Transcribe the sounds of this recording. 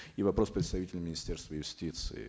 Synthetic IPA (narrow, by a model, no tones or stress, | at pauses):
ivɐpɾo̞spɾʲɪt̪st̪ɐvʲitʲɪlʲmʲɪnʲɪsʲtʲerst̪vəjʊsʲtʲit̪sɨ̰ɪ̰